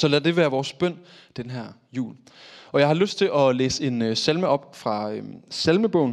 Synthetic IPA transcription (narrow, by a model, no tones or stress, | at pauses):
sɒ̽læd̥e̝ʋæːɐʋɒːsb̥œn̰ | d̥enɦæɐ̰ | jṵːl | ɒ̽jɑ̈ɪhɑ̈løsd̥t͡sʰe̝lʔɒ̽lḛːse̝nsælməɒ̽b̥fʁɑ̈øselməb̥ɔ̽ʊ̰n̩